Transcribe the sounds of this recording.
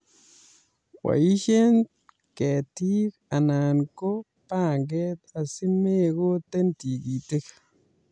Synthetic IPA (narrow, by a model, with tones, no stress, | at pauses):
wa̰˨ji˦ʃe˦n | ke˨ti˦ka˨na˨nko˦ | pa˦˨ŋɡe˦t̪a˨si˦me˦ko˦te˦nti˨ɡi˨te˦kḁ˨